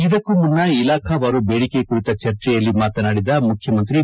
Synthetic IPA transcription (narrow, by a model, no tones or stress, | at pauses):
id̪ɐkːumunːɐilaːkʰɐʋaːɾubeːɽikekuɾit̪ɐt͡ʃɐɾt͡ʃɛjɐlːimaːt̪ɐnaːɽid̪ɐmukʰjɐmɐnt̪ɾi